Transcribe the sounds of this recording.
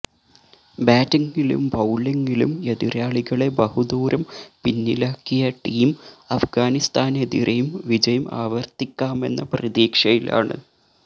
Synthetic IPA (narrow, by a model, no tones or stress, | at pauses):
baːtɐŋɡilṵmbɐwɭɐŋɡilṵme̞ðiɾaːɭiɣɐɭe̞bɐhud̪uːɾɐmpinːilaːkːijɐʈiːmɐfɡaːnist̪ʰaːned̪ḭɾʔɐjumʋid͡ʑɐjuma̰ːʋɐrt̪ikʲːaːme̞̰nːɐprɐðiːkʂɐjila̰ːɳɨ̰